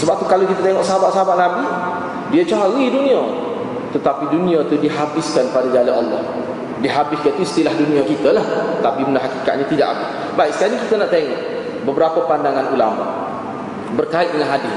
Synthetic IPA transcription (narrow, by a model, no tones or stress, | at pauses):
səbap̚t̪ukalawkit̪at̪eŋɔʔsəɦabaʔsəaɦabaʔ̚nabi | diət͡ʃaɦaɣidunĩa | t̪ət̪apidunĩat̪udiɦabɪskanpadaɡalaɑ̰lːɔh | diɦabɪskat̪uist̪ilahdunĩakit̪əlaht̪apibəndaɦakika̰t̪̚ɲat̪ida̰ʔa̰bɪs | baiʔsə̥kaɲakit̪ənaʔt̪eŋɔʔ | bəbəɾapəpandaŋanula̰ma̰ | bərkaɪt̪̚dəŋanɦadɪ